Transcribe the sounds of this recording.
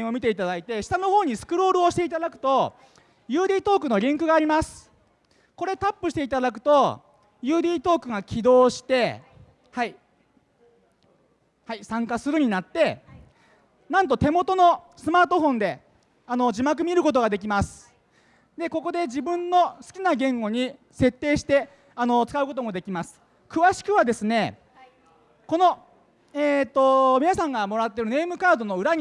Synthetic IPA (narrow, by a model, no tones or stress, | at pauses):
o̞mʲit̪e̞it̪ad̪ait̪e̞ɕi̥t̪ano̞ho̞ːɲ̟isɨ̥kɯ̟ɾo̞ːɾɯ̟o̞ɕi̥t̪e̞it̪ad̪akɯ̟̥t̪o̞ | jɯ̟ːd̪ʲiːt̪o̞ːkɯ̟no̞ɾʲĩŋkɯ̟ɡaːɾʲimasɨ̥ | ko̞ɾe̞t̪apːɯ̟ɕi̥t̪e̞it̪ad̪ak̬ɯ̟̥t̪o̞ | jɯːd̪ʲiːt̪o̞ːkɯ̟ɡakʲʰid̪o̞ːɕi̥t̪e̞ | hai | haisãŋkasɨɾɯ̟ɲ̟inat̪ːe̞ | nãnt̪o̞t̪e̞mo̞t̪o̞no̞sɨmaːt̪o̞ɦõ̞nd̪e̞ | anod͡ʑimak̬ɯ̟mʲiɾɯ̟ko̞t̪̬o̞ɡad̪e̞k̬ʲimasɨ̥ | d̪e̞ko̞ko̞d̪e̞d͡ʑibɯ̟̃nːo̞sɨ̥kʲinaɡẽ̞ŋɡo̞ɲ̟i | se̞t̪ːe̞ːɕi̥t̪e̞ | ano̞t͡sɨ̥kaɯ̟ko̞t̪o̞mo̞d̪e̞kʲimasɨ̥ | kɯ̟βaɕi̥kɯ̟βad̪e̞sɨne̞ | ko̞no̞ | eːt̪ːo̞mʲinasãŋɡamo̞ɾat̪ːe̞ɾɯ̟ne̞ːmɯ̟kaːd̪o̞no̞ɯ̟ɾaɲ̟